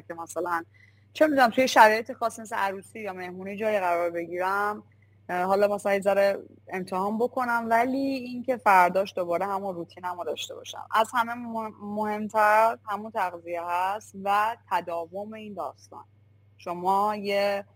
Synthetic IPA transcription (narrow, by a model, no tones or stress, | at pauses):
cʰemæsælæn | t͡ʃʰe̞mid̪unæmt̪ʰujeʃæɾɒːjet̪ʰexɒːsːimes̬eʔæɾuːsiːjɒːme̞hmuːnid͡ʒɒːjiɣæɾɒːɾbe̞ɟiːɾæm | ɦɒːlɒːmæsælæezæɾe | emt̪ʰehɒːnbo̞kʰo̞næmvæliːincʰe̞fæɾd̪ɒːʃd̪obɒːɾe̞hɦæmunrut̪ʰiːnæmud̪ɒːʃt̪e̞bɒ̰ʃæ̰mʔæzhæmemohe̞mt̪ʰæɾhæmunt̪ʰæɣzijehæst̪væt̪ʰæd̪ɒːvome̞ind̪ɒ̰ːst̪ɒ̰n | ʃo̞mɒːje